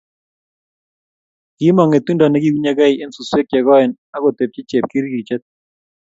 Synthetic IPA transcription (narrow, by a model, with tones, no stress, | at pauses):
ki˦mɔ˨ŋe˨t̪u˦nda˨nɛ˨ɡi˦ku˦ɲɛ˦ɡɛ˦i˨e˦nsu˨swe˦kjɛ˨ɣɔ˦ɪ˨n | a˦ɣo˨t̪e˨p̚t͡ʃɪ˦t͡ʃe˨p̚ki˦ɾɡi˨t͡ʃɛ˦t̪̚